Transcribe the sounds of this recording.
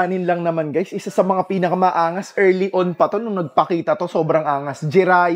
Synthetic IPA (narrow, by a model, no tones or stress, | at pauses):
aːnɪnlɐŋnɐmanɡajsʔɪsasɐmɐŋapiːnɐkamɐʔaːŋɐsʔɛɹliʔonpɐt̪o̞nʊŋnɐɡ̚pɐkiːt̪ɐt̪o̞so̞ːbɾɐŋʔaːŋɐsd͡ʒɪɾaːj